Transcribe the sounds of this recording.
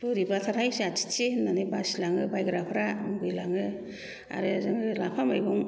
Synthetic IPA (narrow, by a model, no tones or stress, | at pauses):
buɾibatʰaɾajsiatʰi̥t͡ʃinanɯbasilaŋɯbajɡɾapʰɾamɡɯjlaŋɯ | a̰ɾɯzɯŋɾɯlapʰamajbɔŋ